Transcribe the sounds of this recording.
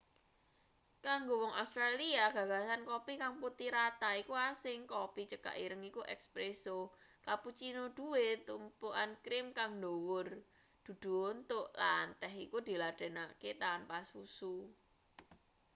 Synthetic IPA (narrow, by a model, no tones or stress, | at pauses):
kaŋɡowɔŋast̪ɾaliaɡ̥a̤ɡ̥asankopikaŋput̪iɾat̪aikuasɪŋkopit͡ʃəka̰ʔiɾəŋikuʔɛ̰kspɾesokaput͡ʃinod̪̥uwet̪umpuʔankɾɪmkaŋndowʊr | d̪̥ṳd̪̥ṳont̪ʊʔlant̪ɛɦikud̪̥i̤laɖ̪̥e̤naket̪aanpasusu